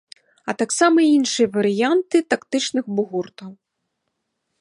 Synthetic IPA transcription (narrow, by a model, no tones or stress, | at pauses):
ɐt̪aksamɐinʂɨjɐvɐɾɨjant̪ɨt̪akt̪ɨt͡ʂnɨɣbuɣurt̪ɐw